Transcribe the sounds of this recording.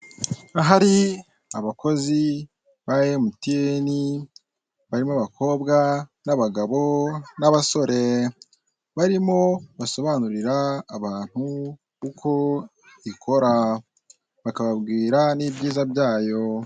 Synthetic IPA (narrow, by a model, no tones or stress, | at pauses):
aɦaɾi | aβako̞zi | βajemutieni | βaɾimoβakʰo̞ːbɡanaβaɡaβo̞naβaso̞ɾe̞ | βaɾimo̞βaso̞βanuɾiɾaːβaːn̥hu | kukʰo̞ | ikʰo̞ɾa | βakaβabɡiːɾanibɟiːzabjaːjo̞